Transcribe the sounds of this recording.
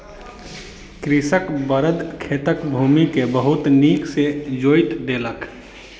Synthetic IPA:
kɾɪsəkbəɾəd̪kʰeːt̪əkbʱuːmikebəɦʊt̪niːksed͡ʒoːjt̪ɖeːlək

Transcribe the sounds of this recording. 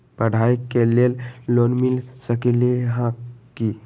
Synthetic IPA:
pəɽ̤ʱajkelellonmilsəkileɦãki

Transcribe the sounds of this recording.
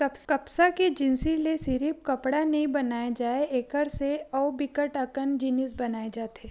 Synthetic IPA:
kɐpkɐpsaked͡ʒɪnsilesɪɾip̚kɐpɽanɐĩbɐnaːjad͡ʒaːeeːkəɾseɔːbɪkəʈɐkənd͡ʒɪnɪsbɐnaːed͡ʒaːt̪eː

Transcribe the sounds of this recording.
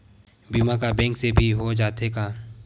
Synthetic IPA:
bimakabɛ̃ːŋksebʱiɦod͡ʒaːt̪ekaː

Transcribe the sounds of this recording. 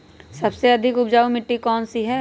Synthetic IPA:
sɐbseɐd̪ʱɪkʊpd͡ʒaːumɪʈːikɔːnsiɦɛː

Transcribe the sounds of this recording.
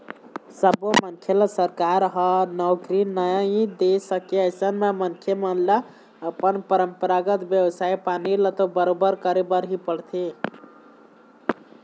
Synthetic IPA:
səbomənkʰjelsəɾkaɾɦənɔkɾinəjãĩd̪esəkeəjsənmemənkʰjemənla | əpənpəɾəmpəɾaɡət̪bjəbsaipanilət̪obəɾobəɾkəɾebəɾɦipəɽt̪ʰi

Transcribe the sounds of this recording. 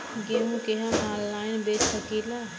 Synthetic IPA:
ɡemũkeɦɐmãːllaːɪnbeːt͡ʃsəkiːla

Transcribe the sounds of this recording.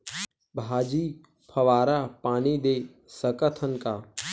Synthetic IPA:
bʱaːd͡ʒiː | pʰɐʋaːɾapaːnid̪eː | səkət̪ʰənkaː

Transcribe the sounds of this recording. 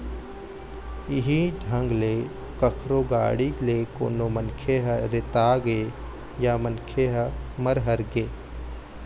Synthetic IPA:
ɪɦiɖʱə̃ŋɡle | kəkʰɾoːɡa̰ːɽileko̰ːnomənkʰeɦəɾɪt̪aːɡe | jaːmənkʰeɦəməɾɦəɾɡeː

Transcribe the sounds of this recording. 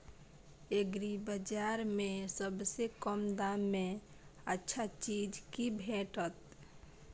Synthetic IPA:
eɡɾibəd͡ʒaɾmesəbsekəmd̪amːe | ətːʃʰat͡ʃid͡ʒkibʱeʈət̪

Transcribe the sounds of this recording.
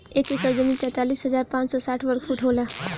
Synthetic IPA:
eːkekəɾd͡ʒəmiːnt̪ɛ̃t̪aːliːsɦəzaːɾpãːt͡ʃsɔːsaʈʰʋəɾkfuːʈɦola

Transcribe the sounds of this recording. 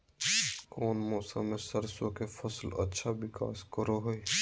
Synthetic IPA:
koːnmoːsa̰mẽsəɾsõkefʰɐslɐ̰tːʃʰawɪka̰ːskəɾoɦoi

